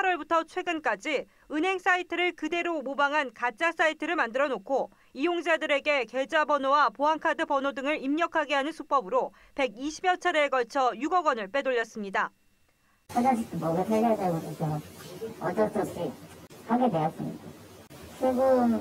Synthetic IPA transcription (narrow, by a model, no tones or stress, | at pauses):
pʰaɾwʌɭbutʰʌt͡ɕʰwe̞ɡɯnk͈ad͡ʑi | ɯnɦe̞ŋs͈aitʰɯɾɯɭkɯde̞ɾomobaŋɦankat͡ɕ͈as͈aitʰɯɾɯɭmandɯɾʌnokʰo | ijoŋd͡ʑadɯɾe̞ɡe̞ke̞d͡ʑabʌnowapoɦaŋkʰadɯpʌnodɯŋɯɾimɲʌkʰaɡeɦanɯnsʰup͈ʌbɯɾo | pe̞ɡiɕʰibjʌt͡ɕʰʌɾeːɡʌɭt͡ɕʰʌjuɡʌɡwʌnɯɭp͈e̞doʎːʌs͈ɯmɲida | sʰaɡasitʰɯmʌɡasʰaɡeadeɡokokemʌʌt͈ʌt͈ʌt͡ɕʰihʰaɡedejʌs͈ɯmɲidat͡ɕʰweɡɯm